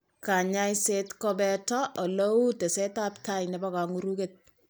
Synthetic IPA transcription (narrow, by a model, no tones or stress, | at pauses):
kaɲajsetkɔbɛtɔʔɔloutesetaptajnɛbakaŋuɾuket̚